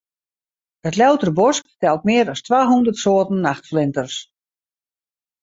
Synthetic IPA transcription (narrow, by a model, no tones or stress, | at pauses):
ətlœwtəɾəbɔsktɛlˠt̚mɪəɾɔstʋaːɦundərtsoːtən̩ːaxtflɪntərs